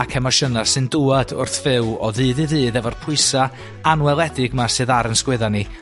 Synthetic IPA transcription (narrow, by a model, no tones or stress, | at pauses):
akʰɛmaʃənasɨnduːadʊ̰rθvɪwɔðɨːðɨðɨːðɛvɔrpʰʊɨsa | anwɛlˠɛdɪɡmasɨːðaɾənskwɪðani